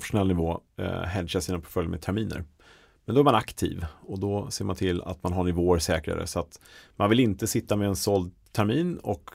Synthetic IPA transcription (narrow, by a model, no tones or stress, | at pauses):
fʂʊnɛlnɪvoːɦɛd̪ɕasiːnapʰɔ̥ɾfœljmɛ̰t̪ʰæɾmiːnə̰ɾ | mɛnd̪ɔæɾmanakt̪ʰḭːvɔd̪ɔseːɾmant̪ʰɪlːa̰t̪manɦaɳɪvoːəɾʂɛːkɾa̰ɾə̰sɔat̪manvɪlɪnt̪əsɪt̪ːamɛːnsɔld̪̚ | t̪ʰæɾmiːnɔk